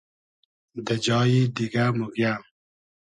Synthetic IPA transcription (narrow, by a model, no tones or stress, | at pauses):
d̪əd͡ʒɑːjid̪iɡamuɡja